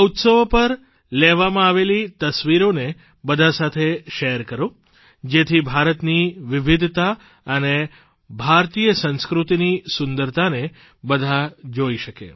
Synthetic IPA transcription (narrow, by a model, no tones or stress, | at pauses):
ut̪səʋpəɾ | leʋamãaʋelit̪əsʋiɾone | bəd̪ʱasat̪ʰeʃejəɾkəɾo | d͡ʒet̪ʰibʱaɾət̪niʋɪʋid̪ʱt̪a | əne | bʱaɾt̪ijəsə̃nskɾut̪inisʊnd̪əɾt̪ane | bəd̪ʱad͡ʒoiʃəkḛ